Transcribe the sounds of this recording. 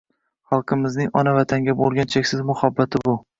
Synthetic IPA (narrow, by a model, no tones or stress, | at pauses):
χɑlˠqʰɨmɪznɪŋɒnavat̪ʰaŋɡʲabolˠɡʲant͡ʃʰekʲsɪzmʊhabːat̪ʰɪbʊ